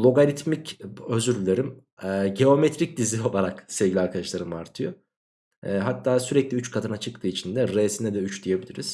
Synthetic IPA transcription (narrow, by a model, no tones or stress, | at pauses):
lˠo̞ɡalʲit̪micøzyɾlʲeɾim | ɛːɟe̞o̞met̪ɾic̚d̪izio̞lˠaɾaksɛvɟʲilʲiaɾkʰad̪aʃlˠaɾɯmaɾt̪ʰɯjo | ɦat̪ʰːaːsyɾɛclʲiyt͡ʃkʰat̪ʰɯnat͡ʃʰɯk̚t̪ʰɯːit͡ʃʰind̪ɛɾeːsinɛd̪ɛyt͡ʃd̪ije̞bilʲiɾiz̥